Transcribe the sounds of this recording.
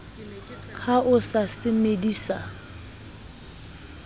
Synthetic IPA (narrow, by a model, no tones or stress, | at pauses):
haʔʊsasɪmediːsa